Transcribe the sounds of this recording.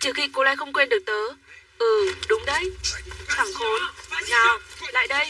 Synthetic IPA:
t͡ɕi˧˩xḭ˧ko˧˦la̰ː˧˥jxə˧wŋ͡mkwe˧nɗək̚t̪əː˨˦ʔɨ˧˩ɗʊ˨˦wŋ͡mɗə˧jsʰaː˧˩ŋxo˨˦nnaː˨˩wla̰ː˧˨jɗə˧j

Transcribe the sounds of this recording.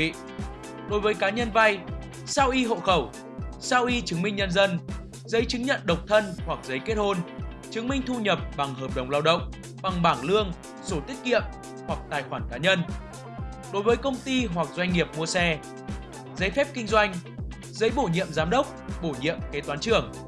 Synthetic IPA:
ɗo˨˦jvəː˨˦jkaː˨˦ɲə˧nva˧j | saː˧wʔi˧ɦo̰˧˨xə˧˩w | saː˧wʔi˧t͡ɕɨ˨˦ŋmï˧ŋɲə˧nzə˧n | zə˨˦jt͡ɕɨ˨˦ŋɲə̰˧˨nɗə˨˩wk͡p̚t̪ʰə˧nhwa˨˩k̚zə˨˦jke˦˥t̚ho˧nt͡ɕɨ˨˦ŋmï˧ŋ̟t̪ʰu˧ɲə˨˩p̚ɓa˨˩ŋɦəː˨˩p̚ɗə˨˩wŋ͡mlaː˧wɗə̰˧˨wŋ͡m | ɓa˨˩ŋɓaː˧˩ŋlɨ˧əŋ | so˧˩t̪i˦˥k̚kḭ˧˨əm | hwa˨˩k̚t̪aː˨˩jxwaː˧˩nkaː˨˦ɲə˧n | ɗo˨˦jvəː˨˦jkə˧wŋ͡mt̪i˧ɦwa˨˩k̚zwa˧jŋ̟ŋi˨˩əp̚mu˧əsɛ˧ | zə˨˦jfɛ˦˥p̚kï˧ŋ̟zwa˧jŋ̟ | zə˨˦jɓo˧˩ɲḭ˧˨əmzaː˨˦mɗə˦˥wk͡p̚ɓo˧˩ɲḭ˧˨əmke˨˦t̪waː˨˦nt͡ɕɨ˧˩əŋ

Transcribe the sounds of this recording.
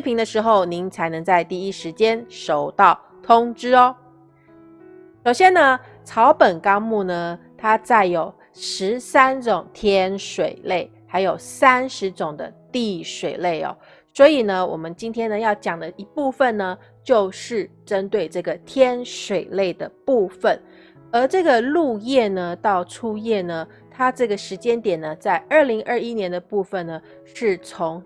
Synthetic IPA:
pʰi˧˥ŋd̪ə˧ʂɻ̩˧˥xo˥˩ʊni˧˥˦ŋt͡sʰa˧˥ɪnɤ˧˥ŋt͡sa˥˧ɪt̪i˥˩i˦˥ʂɻ̩˧˥t͡ɕjɛ˥nʂo˨˩ʊt̪ɑ˥˩ʊ | t̪ʰʊ˥ŋʈ͡ʂɻ̩˥ɔ˧˦ | ʂo˨˩ʊɕjɛ˥nə˧ | t͡sʰɑ˧˥ʊpə˨˩nkɑ˥ŋmu˥˩nə˩ | t̪ʰa˥t͡sa˥˩ɪjo˨˩ʊ | ʂɻ̩˧˦sa˥nt͡sʊ˨˩ŋt̪ʰjɛ˥nʂwe˨˩ɪle˥˩ɪxa˧˥ɪjo˨˩ʊsa˥nʂɻ̩˧˥t͡sʊ˨˩ŋd̪ə̰˦t̪i˥˩ʂwe˨˩ɪle˥˩ɪɔ̰˩ | swɔ˧˥i˨˩nə˦wʔɔ̰˨˩mə˦nt͡ɕi˥nt̪ʰjɛ˥nə˨jɑ˥˩ʊt͡ɕjɑ˨˩ŋd̪ə˦i˧˥pu˥˧fə˨nnə˩ | t͡ɕjo˥˧ʊʂɻ̩˥˩ʈ͡ʂə˦nt̪we˥˧ɪʈ͡ʂɤ˥˩ɡə˩t̪ʰjɛ˥nʂwe˨˩ɪle˥˩ɪd̪ə˩pu˥˧fə˨˩n | ə˧˥ʈ͡ʂɤ˥˩ɡə˩lu˥˧jɛ˥˩nə˩t̪ɑ˥˩ʊʈ͡ʂʰu˥jɛ˥˩nə˩ | t̪ʰa˥ʈ͡ʂɤ˥˩ɡə˩ʂɻ̩˧˥t͡ɕjɛ˥nt̪jɛ˨˩nːə˩t͡sa˥˧ɪʔə˞˥˩li˧˥ŋʔə˥˧˩i˥njɛ˧˥nd̪ə˧pu˥˩fə˨nːə˩ | ʂɻ̩˥˩t͡sʰʊ˧˥ŋ

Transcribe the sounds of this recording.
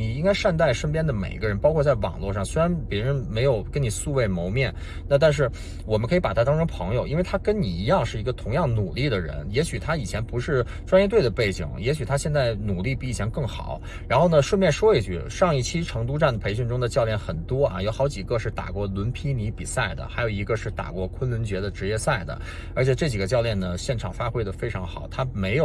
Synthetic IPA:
ni˨˩i˥ŋka˥ɪʂa˥˧nt̪a˥˩ɪʂə˥np̬jɛ˥nd̪ə˨mḛ˨˩ɪi˧˥ɡə˧ɻə˧˥npɑ˥ʊkʰɔ˥˧t͡sa˥˩ɪwɑ̰˨˩ŋlwɔ˥˧ʂɑ˥˩ŋswe˥ɪɻa˧˥npjɛ˧˥ɻə˧˥nme˧˥ɪjo˨˩ʊkə˥nni˨˩su˥˧we˥˩ɪmo˧˥ʊmjɛ˥˩n | na˥˧t̪̬a˥˧nʂ̬ɻ̩˥˩ | wɔ˨˩mə˦kʰi˧˥pa˨˩t̪ʰa˥t̪ɑ˥ŋʈ͡ʂɤ˥ŋpʰɤ˧˥ŋjo˨ʊi˥nwe˥˩ɪt̪ʰa˥kə˥nni˨˩i˧˥jɑ˥˧ŋʂɻ̩˥˩i˧˥ɡə˧t̪ʰʊ˧˥ŋjɑ˥˩ŋnu˨˩li˥˩d̪ə˩ɻə̰˧˥njɛ˧˥ɕy˨˩t̪ʰa˥i˨˩t͡ɕʰjɛ˧˥npu˧˥ʂɻ̩˥˩ | ʈ͡ʂwa˥njɛ˥t̪̬we˥˩ɪd̪ə˩pe˥˩ɪt͡ɕḭ˨˩˦ŋjɛ˧˥ɕy˨˩t̪ʰa˥ɕjɛ˥˧nt͡sa˥˩ɪnu˨˩li˥˧pi˥˩˥t͡ɕʰjɛ˧˥ŋkɤ˥˩ŋxɑ̰˨˩˦ʊ | ɻa˧˥nxo˥˩nə˩ʂwə˥˧nmjɛ˥˩nʂwɔ˥i˧˩t͡ɕy̰˥˩ʂɑ˥˧ŋi˥˩t͡ɕʰi˥ʈ͡ʂʰɤ˧˥ŋt̪̬u˥ʈ͡ʂa˥˩nd̪ə˩pʰe˧˥ɪɕ̬y˥˧nʈ͡ʂʊ˥ŋd̪ə˨t͡ɕjɑ˥˧ʊljɛ˥˩nxə˨˩nt̪wɔ˥ʔɐ̰˧jo˧˥ʊxɑ˧˥ʊt͡ɕi˨˩ɡə˧ʂɻ̩˥˩t̪a̰˨˩kwɔ˥˩lwə˧˥npʰi˥ni˧˥pi˨˩sa˥˩ɪd̪ə̰˩xa˧˥ɪjo˨˩i˧˥ɡə˧ʂɻ̩˥˩t̪a̰˨˩kwɔ˥˧kʰwə˥nlwə˧˥nt͡ɕɥɛ˧˥d̪ə˧ʈ͡ʂɻ̩˧˥jɛ˥˧sa˥˩ɪd̪ə̰˩ | ə˞˧˥t͡ɕʰjɛ˨˩ʈ͡ʂɤ˥˩t͡ɕi˨˩ɡə˦t͡ɕjɑ˥˧ʊljɛ˥˩nə˩ɕjɛ˥˩nʈ͡ʂʰɑ˨˩ŋfa˥xwe˥ɪd̪ə˨fe˥ɪʈ͡ʂʰɑ˧˥ŋxɑ˨˩ʊt̪ʰa˥me˧˥ɪjo˨˩

